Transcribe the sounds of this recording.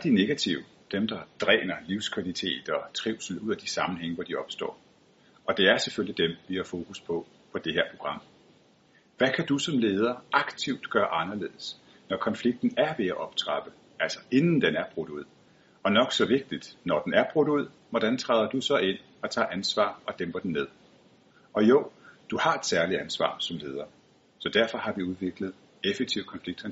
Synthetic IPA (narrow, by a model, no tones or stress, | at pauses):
d̥ine̝ɡ̥æt͡sʰiʊ | d̥emd̥ɑ̈d̥ʁɛ̰ːnɐliʊskʰʋælit͡sʰe̝̰ːd̥ɒ̽t͡sʰʁiʊ̰sl̩uð̰ˠæd̥isɑ̈mn̩heŋ̰əʋɒd̥iɒ̽b̥sd̥ɒ̰ː | ʔɒ̽d̥e̝æɐseføl̰lid̥emʋihɑ̈fo̝ːkʰuspʰɒ̽ | pʰɒ̽d̥e̝heɐ̰pʰʁo̝ɡ̥ʁɑ̈m̰ | ʋækʰæd̥usɒ̽mle̝ːð̞ˠɐɑ̈ɡ̥t͡sʰiʊd̥ɡ̥ɶːɐʔɑ̈nɐle̝̰ːð̩ˠəs | nɒkʰɒ̽nfliɡ̥̚d̥n̩æɐʋe̝æʔɒ̽b̥t͡sʰʁɑ̈b̥ə | æl̰sɒ̥e̝nn̩d̥enæɐb̥ʁɔd̥uð̞̰ˠ | ɒ̽nɒ̽ɡ̥sɒ̽ʋe̝ɡ̥̚d̥id̥nɒd̥enæɐb̥ʁɔd̥uð̞̰ˠ | ʋɒd̥ænt͡sʰʁɑːðˠɐd̥usɒ̽ʔe̝n̰ | ɒ̽t͡sʰɑ̰̈ːʔænsʋɑ̰̈ːɒ̽d̥emb̥ɐd̥enːe̝ð̞̰ˠ | ɒ̽joʊ̰d̥uhɑ̈e̝d̥sæɐliænsʋɑ̰̈ːsɒ̽mle̝ːð̞ˠɐ | sɒ̽d̥æɐfɒ̽hɑ̈ʋiuð̞ˠʋe̝ɡ̥ləð̞̩ˠ | efe̥t͡sʰiʊ̰kʰɒ̽nfliɡ̥̚